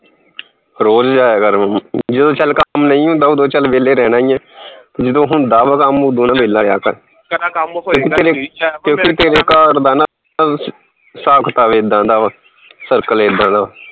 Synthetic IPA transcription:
ɾoːd͡ʒd͡ʒaːjaːkəɾməmd͡ʒɪd̪õːt͡ʃəlkəmnəĩːõːd̪aːuːd̪õːt͡ʃəlʋeːleːɾɛːnãːĩːɛ̃ːt̪ːd͡ʒɪd̪õːɦʊnd̪aːʋaːkamud̪oːnãːʋeːlaːjaːkəɾ | kõːkit̪eːɾekjõːkit̪eːɾeːkaːɾd̪aːna | saːkʰt̪aːʋeːd̪ãːd̪aːʋ | səɾkəleːd̪ãːnd̪aː

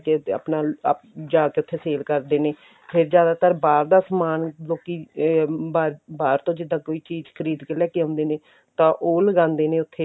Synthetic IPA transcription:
kea̰pnaːpd͡ʒaːkeʊt̪ʰːeːseːlkəɾd̪eːneː | pʰɪɾd͡ʒjaːd̪aːt̪əɾbaːɾd̪aːsmaːnloːkiːbaːɾbaːɾt̪õːd͡ʒɪd̪ãːkoːiːt͡ʃiːzkʰəɾiːd̪kəlɛːkeːɦõːnd̪eːneː | t̪ãːʔoːləɡãːnd̪eːnẽːʊt̪ʰːeː

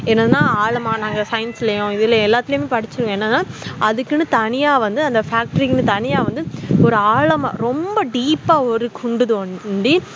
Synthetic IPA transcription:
ɛnːɐðɯnːãːaːɭɐmaːnaːŋɡɐsɐjɪnsɪlɐjʊ̃ɪðɪlɐɛlːaːt̪ːɪlɪjʊmeːpɐɽɪt͡ʃːɯɾɯŋɡɐ̃ɛnːɐðnːãːɐðɯkːɯnɯt̪ɐnɪjaːʋɐnd̪ɯɐnd̪ɐfaːk̚ʈɐɾiknɯt̪ɐnɪjaːʋɐnd̪ɯɔɾɯaːɭɐma̰ːɾɔmbɐɖiːpːaːɔɾɯkʰʊɳɖɯðɯɐɖi

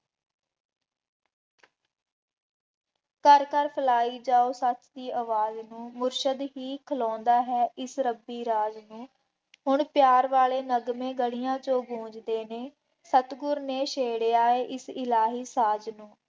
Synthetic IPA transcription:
kəɾkəɾpʰəlaːiːd͡ʒaːoːsət͡ʃd̪iːʔəʋaːznũːmʊɾʃəd̪ɦiːkʰəlɔ̃ːnd̪aːɦɛːʔɪsɾəbiːɾaːd͡ʒnũː | ɦʊɳpjaːɾʋaːleːnəɡmẽːɡəɽijãːt͡ʃõːɡʱũːd͡ʒd̪eːneː | sət̪ɡʊɾneːʃeːɽeːaːeːʔɪsɪlaːɦiːsaːd͡ʒnũː

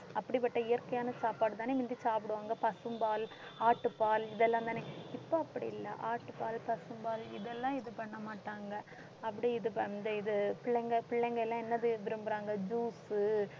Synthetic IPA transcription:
ɐpːɐɽipːɐʈːɐɪjɐɾkɐjaːnɐsaːpaːɽɯt̪aːneːʋɪnd̪isaːpɪɽɯʋaːŋɡɐpɐsɯmbaːl | aːʈːɯpaːlɪðɛlːãːnt̪aːneːɪpːoːɐpːɐɽḭɪlːɐ̰ʔaːʈːɯpaːlpɐsɯmbaːlɪ̰ðɛlːãːɪðɯpɐɳːɐmaːʈːaːŋɡɐ | ɐpːɐɽiɪðɯnd̪ɐɪðɯpɪɭːɐŋɡɐpɪɭːɐŋɡɐɛlːãːɛnːɐðɯʋɪɾɯmbɯɾaːŋɡɐd͡ʒuːsɯ

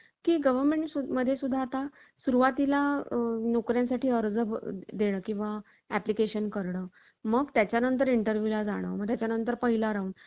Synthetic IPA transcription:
kiːɡəʋəɾmeɳʈsuməd̪ʱːjesud̪ʱːaːt̪a | suɾuʋat̪ilanokɾjãsaʈʰiːəɾd͡zəbd̪eɽ̃əːkĩw̃ʋa | æplikeɕənkəɾɳəː | məɡt̪jat͡ɕjanənt̪̬əɾiɳʈəɾʋjulad͡zaɽ̃ə̰ːməɡ̚t̪jat͡ɕjanənt̪əɾpəɦilaɾauːn

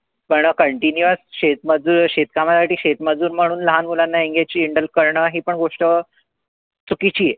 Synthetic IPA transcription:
pəɳkəɳʈinjuəsɕet̪̚məd͡zuːɾɕet̪̚kamasaʈiːɕet̪məd͡zuːɾm̤əɽ̃uːnləɦanmulanːaiŋɡet͡ɕiːiɳɖəlkəɾɳəːɦiːpəɳɡoʂʈə | t͡sukit͡ɕiːje

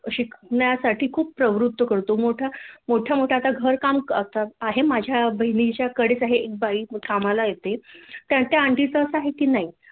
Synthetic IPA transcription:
əɕikʰɳjasaʈʰiːkʰuːp̚pːɾəʋɾut̪wəkəɾt̪oːmoʈʰamoʈʰjamoʈʰjat̪aɡʱəɾkamkət̪aaɦemad͡ʑʱjabəinit͡ɕjakəɽet͡saɦeek̚baiːʈ̪ʰamalajet̪et̪jat̪jaaɳʈit͡səsaɦekiːnaɦi

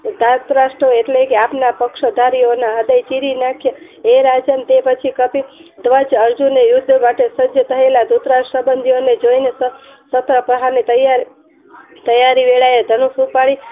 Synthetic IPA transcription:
d̪ʱat̪ɾaʃʈɾoeʈlekeapnapəkʃəd̪ʱaɾijonaɦəd̪əjt͡ʃiɾinakʰjə | eɾad͡ʒənt̪epət͡ʃʰikəpid̪ʋəd͡ʒəɾd͡ʒunejʊd̪ʱːmaʈesəd͡ʒʱət̪ʰəelad̪ut̪ɾasəbənd̪ʱijoned͡ʒoinesə | sət̪ɾəpɾəɦaɾnit̪əjaɾi | t̪əjaɾiʋeɭaed̪ʱənusupaɭi

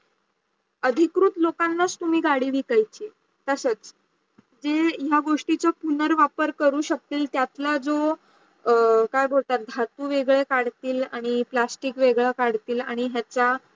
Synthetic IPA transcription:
əd̪ʱikɾut̪lokanːat͡st̪um̤iːɡaɽiːʋikajt͡ɕiː | t̪əsət͡s | d͡zejaɡoʂʈit͡səpunəɾʋapəɾkəɾuːɕək̚t̪iːlt̪jat̪lad͡zo | kajbʱolt̪at̪̚d̪ʱat̪uːʋeɡɭekaɽt̪iːla̰ɽ̃iplasʈikʋeɡɭakaɽt̪iːlaɽ̃iɦjat͡sa

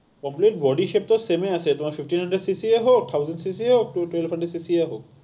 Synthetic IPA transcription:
kɔmplit̚bɔdiʃep̚tɔsemɛasɛtʊmapʰifʰʈinhandɛdsisieɦok̚tʰawzɛnʈsis̬iɦok̚twelfʰhanɖdɛdsisiaɦok̚

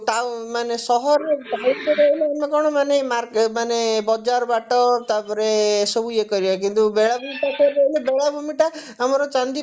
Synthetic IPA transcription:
t̪amanesɔɦɔɾebʱaitɔɾeɦeleamɔkɔɽ̃ɔmanemaɾkmanebɔd͡ʒaɾɔbaʈɔt̪apɔɾesɔbuekɔɾibak̬int̪ubeɭabʱumiʈakɔɾeelebeɭabʱumiʈa | amɔɾɔt͡ʃand̪i

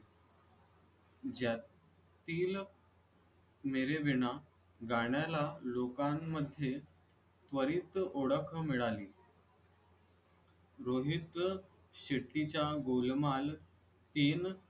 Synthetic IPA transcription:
d͡ʑa | t̪iːl | meɾeʋiɳa | ɡaɽjalalokamːəd̪ʱːje | t̪ʋəɾiːt̪oɽəkʰəmiɭaliː | ɾoɦit̪ | ɕeʈːit͡ɕjaɡolmal | t̪iːn

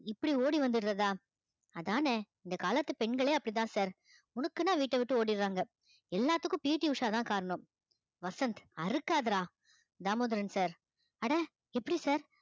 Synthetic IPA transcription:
ɪpːɐɽioːɽiʋɐnd̪ɯɾɾɐðaː | ɐðaːneːɪnd̪ɐkaːlɐt̪ːɯpɛɳɡɐɭeːɐpːɐɽit̪ãːsaːɾ | ʊnɐkːɯnːãːʋiːʈːɐʋɪʈːɯoːɽɪɾɾaːŋɡɐ | ɛlːaːt̪ːɯkːʊ̃piːʈːiʊʂaːt̪ãːkaːɾɐɳʊm | ʋɐsɐnt̪ɐɾɯkːaːðɾaː | d̪aːmoːd̪ɾɐnsaːɾ | ɐɽɐ | ɛpːɐɽisaːɾ

